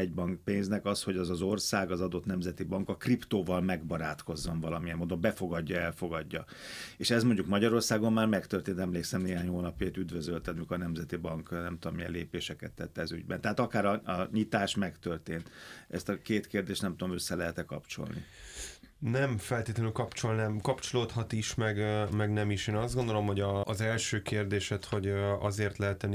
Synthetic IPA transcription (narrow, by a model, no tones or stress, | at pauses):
ɛɟ̚bɒŋkpeːnznɛkɒsho̞ɟɒzɒzo̞rsaːɡɒzɒd̪o̞t̪nɛmzɛt̪ibɒŋkɒkript̪oːvɒlmɛɡbɒɾaːt̪ko̞zːo̞nvɒlɒmijɛmːoːd̪o̞mbɛfo̞ɡɒɟːɒɛlfo̞ɡɒɟːɒ | eːʃɛzmoɲɟukmɒɟɒɾo̞rsaːɡo̞mːaːrmɛkt̪ørt̪eːnt̪ɛmleːksɛmneːɦaːɲhoːnɒpjeːt̪yd̪vøzølt̪ɛmikːnɛmzɛt̪ibɒŋknɛmt̪uomijɛ̰leːpeːʃɛkɛt̪ːɛt̪ːɛɒzy̰ɟbɛ̰nt̪ɛɦaːt̪ɒkaːɾɒɒɲit̪aːʃmɛkt̪ørt̪eːnt̪ɛ̰st̪ɒkeːt̪keːrd̪eːʃt̪nɛmt̪ud̪o̞mø̞sːɛlɛɦɛt̪ɛkɒ̰pt͡ʃo̞̰lnḭ | nɛmfɛlt̪eːt̪lɛnylkɒpt͡ʃo̞lnɛmkɒpt͡ʃoloːt̪hɒt̪iʃmɛɡmɛɡnɛmiʃeːnɒzd̪ɡo̞nd̪olo̞mho̞ɟɒːzɛlʃøːkeːrd̪eːʃɛt̪ho̞ɟɒ̰zeːrt̪lɛɦɛt̪ːɛn